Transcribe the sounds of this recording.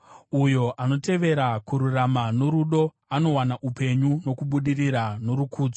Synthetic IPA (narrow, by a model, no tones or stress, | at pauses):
ujo̞ʔano̞te̞ʋe̞ɾakuɾuramanoɾuɗo̞ | ano̞wanaʔupe̞ɲuno̞kuɓuɗiriɾano̞ɾukʰuːd͡zo